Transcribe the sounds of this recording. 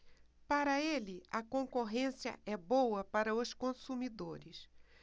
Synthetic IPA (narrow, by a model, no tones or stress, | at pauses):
paɾɐelɪʔɐkõŋkoɦẽsiɐ̰ʔɛbowɐpaɾɐʊskõsumid̪oɾɪs